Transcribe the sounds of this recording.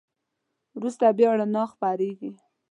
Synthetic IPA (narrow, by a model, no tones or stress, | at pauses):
wɾust̪abjɑɽanɑxpaɾeɡi